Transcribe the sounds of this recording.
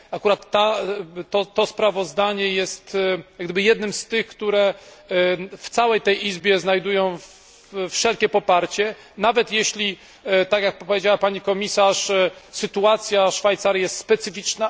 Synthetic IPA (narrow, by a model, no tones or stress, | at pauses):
akuɾat̪ːat̪ɔt̪ɔspɾavɔzd̪aɲɛjɛst̪jaɡd̪ɘbɨjɛd̪nɘmst̪ɘxkt̪uɾɛ | ft̪sawɛjt̪ɛjʔizbʲjɛznajd̪ujɔ̃w̃ | fʂɛlkʲɛpɔpaɾt͡ɕɛ | navɛt̪jɛɕlʲi | t̪akjak̚ppɔvʲjed͡ʑawapaɲikɔmʲisaʂsɘt̪uat̪sʲjaʂfajt̪saɾjɛst̪spɛt̪sɘfʲit͡ʂna